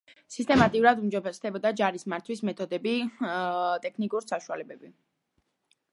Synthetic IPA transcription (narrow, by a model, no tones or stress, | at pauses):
sist̪ʼɛmat̪ʼiuɾad̪umd͡ʒɔbɛsd̪ɛbɔd̪ad͡ʒaɾismaɾt̪ʰwismɛt̪ʰɔd̪ɛbi | t̪ʼɛkʰnikʼuɾsaʃualɛbɛbi